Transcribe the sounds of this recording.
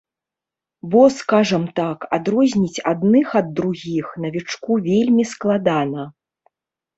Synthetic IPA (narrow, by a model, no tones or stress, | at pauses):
bɔskaʐɐmt̪akad̪ɾɔzʲnʲit͡sʲad̪nɨxɐd̪ːɾuɣʲixnɐvʲit͡ʂkuvʲelʲmʲisklˠad̪anɐ